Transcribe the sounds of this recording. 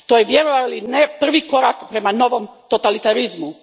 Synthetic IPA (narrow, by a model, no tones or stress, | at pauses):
t̪ojeʋjeɾoʋalinepr̩ʋiko̞ɾakpɾemano̞ʋomt̪ot̪alit̪aɾizmu